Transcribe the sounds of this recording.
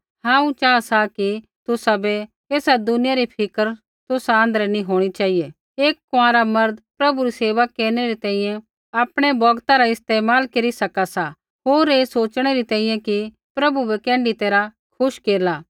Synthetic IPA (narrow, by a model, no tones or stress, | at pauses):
hãːũt͡ʃaasaki | t̪ʊsabɛ | eːsad̪ʊnɪjaɾipʰɪkəɾ | t̪ʊsaə̃ːnd̪əɾɛnĩɦoːɽ̃it͡ʃaːije | eːkːʊãɾamɐɾd̪pɾɐbuɾiseːʋakːeːɾñeɾit̪ɛ̃ːĩjɛ̃ | aːpɽ̃ebɔɡt̪aɾaɪst̪eːmaːlkɐɾisɐkasa | ɦoːɾeːsoːt͡ʃɽ̃eɾit̪ɛ̃ːĩjɛ̃ki | pɾɐbubɛkɛ̃ːɳɖit̪eːɾa | kʰʊʃkeːɾlaː